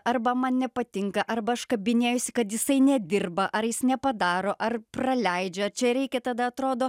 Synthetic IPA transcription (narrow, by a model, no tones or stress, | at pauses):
ɐrbɐmɐnnʲɛpɐt̪ʲɪŋkɐʔɐrbɐɐʃkɐbʲɪnʲeːjʊsʲɪkɐt̪jɪsɐɪnʲɛd̪ʲɪrbɐʔɐɾjɪsnʲɛpɐd̪ɑːɾoːʔɐrprɐlʲɛɪd͡ʒʲɛɐt͡ʃʲɛɾʲɛɪkʲɛt̪ɐd̪ɐɐt̪ɾoːd̪oː